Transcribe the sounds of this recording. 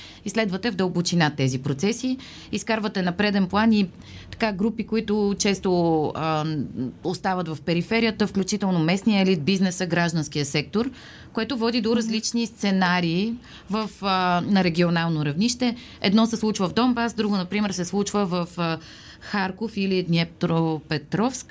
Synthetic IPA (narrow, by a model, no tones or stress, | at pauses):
islɛd̪vət̪ɛvd̪əlˠbʊt͡ʃinat̪ːɛzipɾot̪sɛsi | iskaɾvət̪ɛnɐpɾɛd̪ɛnplˠani | t̪ɐ̥kaɡɾupikoit̪ʊt͡ʃɛst̪o | ost̪avət̪vɐfpɛɾifɛɾijət̪əfklʲut͡ʃit̪ɛlˠnomɛsnijəɛlit̪̚biznɛsəɡɾaʒd̪ənsk̟ijəsɛk̚t̪oɾ | koɛt̪ʊvɔd̪id̪oɾɐzlit͡ʃnist̪sɛnaɾiː | vəfnɐɾɛɡʲionalˠnoɾɐvniʃt̪ɛ | ɛ̰d̪nɔsɛslˠut͡ʃvəvd̪ɔmbasd̪ɾuɡʊnɐpɾimɛɾsɛslˠut͡ʃvəvəf | xaɾkofilid̪nʲɛt̪ɾopɛt̪ɾɔfsk